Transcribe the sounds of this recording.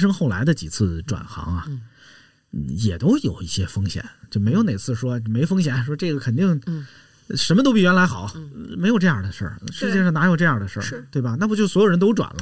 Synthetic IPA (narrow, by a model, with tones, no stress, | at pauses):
ʂ̬ɤ˥ŋxo˥˩ʊla̰˧˥ɪd̪ə˧t͡ɕḭ˨˩t͡sʰɹ̩˥˩ʈ͡ʂwa̰˨˩nxɑ̰˧˥ŋɐ˧ | n̩˥˩jɛ˨˩t̪o˥ʊjo˨˩ʊi˥˩ɕjɛ˥fɤ˥ŋɕjɛ̰˨˩˦t͡ɕjo˥˩ʊme˧˥ɪjo˧˥ʊne˨˩ɪt͡sʰɹ̩˥˩ʂwɔ˥˩me˧˥ɪfɤ˥ŋɕ̬jɛ˨˧˩nʂwɔ˥ʈ͡ʂɤ˥˩ɡə˩kʰə˨˩nt̪i˥˩ŋ | ʂə˧˥nmə˧t̪o˥ʊp̬i˥˩ɥɛ˧˥nla˧˥ɪxɑ˨˩˦m˧˥ɪjʊʈ͡ʂɤ˥˧jɑ˥˩d̪ə˩ʂə̰˞˥˩ʂɻ̩˧˥t͡ɕjɛ˥˧ʂɑ˥˩na˧˥jo˨˩ʊʈ͡ʂɤ˥˧jɑ˥˩d̪ə˩ʂə̰˞˥˧˩t̪we˥˩ɪbɐ˩na˥˩pt͡ɕo˥˩swɔ˧˥jo˨˩ʊə˧˥nt̪o˥ʊʈ͡ʂwa̰˨˩nlə˦